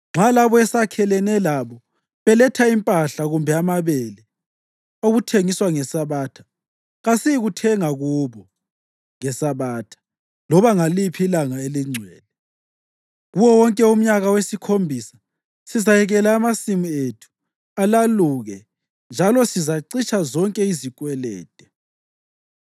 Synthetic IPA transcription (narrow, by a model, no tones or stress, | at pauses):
ŋ͡ǁʱalaβɔɛsakʰɛlɛnɛlaβɔ | βɛlɛtʰaimpʼaɬaɣumbʱɛamaβɛlɛ | oɣutʰeŋiswaŋɛsaβaːtʰḁ | ɣasiɣutʰɛŋaɣuːβɔ | ŋɛsaβaːtʰḁ | lɔβaŋalipʰiilaŋaeliŋ͡ǀʱwɛːlɛ | ɣuwɔwɔŋkʼɛum̩ɲaɣawesikʰombʱisḁ | sizajɛɣɛlaːmasimietʰu̥ | alaluɣɛ | nd͡ʒʱalɔsizaǀit͡ʃʰazɔŋkʼɛizikʼwɛlɛ̰ːtʼɛ